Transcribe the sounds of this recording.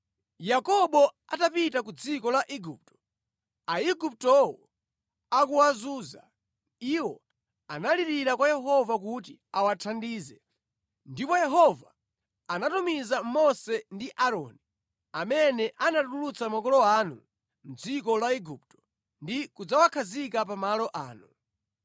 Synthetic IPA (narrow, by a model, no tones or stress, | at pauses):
jakɔɓɔ | atapitakud͡zikɔlaʔiɡup̚tɔ̥ | aiɡup̚tɔwɔ | akuwazuːza | iwɔ | analiɾiɾakwajɛɦɔvak̬ut̬iawatʰandiːzɛ | ndipɔjɛɦɔva | anatumizamɔsɛndiʔaɾɔ̰ːni | amɛnɛʔanatululut͡samakɔlɔanu | m̩d͡zikɔlaiɡup̚tɔ̥ | ndikud͡zawakʰazikapamalɔʔa̰ːnu